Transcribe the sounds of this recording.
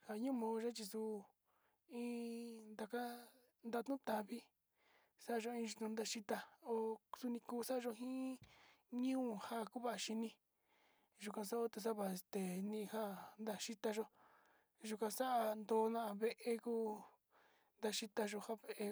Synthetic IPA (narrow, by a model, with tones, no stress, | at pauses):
ha˧ɲũ˦˧mõː˧ʒa˦t͡ʃi˧su˧ | ĩ˦nd̪a˧ka˦ | nd̪a˧t̪ũ˦t̪a˧βi˦ | sa˦a˧ʒo˧ĩ˧ʒi˧t̪ũ˧nd̪a˧ʃi˧t̪a˧o˧su˧nĩ˧kuː˧sa˦˧ʒo˧ɦĩ˦ | ɲũː˦˨ha˦˨ku˦βa˦˧ʔa˧ʃi˧nĩ˧ | ʒu˧˨kã˧sa˦o˦t̪e˧s̬a˦βa˧˨e˧st̪e˨nĩ˧ha˦nd̪a˧ʃi˦t̪a˧ʒo˦ | ʒu˧kã˧sa˦ʔa˧nd̪o˧˦nã˦ʔa˧βe˧ʔe˧kuː˦ | nd̪a˧ʃi˧t̪a˧ʒo˧ha˦βe˧ʔe˧